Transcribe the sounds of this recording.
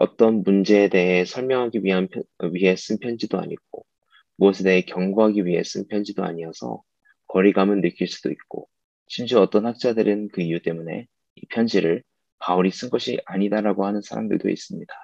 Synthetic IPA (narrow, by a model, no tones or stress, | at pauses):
ʌ̰t͈ʌnmund͡ʑe̞ːde̞ɦe̞sʰʌɭmjʌŋɦaɡiɥiɦanʰɥiɦe̞s͈ɯnpʰjʌnd͡ʑidoa̰ɲiɡ͈̚o̰ | muʌsʰe̞de̞ɦe̞kjʌŋɡuɦaɡiɥiɦe̞s͈ɯnpʰjʌnd͡ʑidoa̰ɲiʌsʰʌ̰ | kʌɾiɡamɯnːɯk͈iɭs͈ud̥oik̚k͈o̰ | ɕʰimɕuʌt͈ʌnhak̚t͡ɕ͈adɯɾɯnkɯijut͈e̞mune̞̰ | ipʰjʌnd͡ʑiɾɯɭ | pauɾis͈ɯnɡʌɕʰiaɲidaɾaɡohanɯnsʰaɾa̰mdɯ̰ɭdo̰ḭs͈ɯmɲid̥ḁ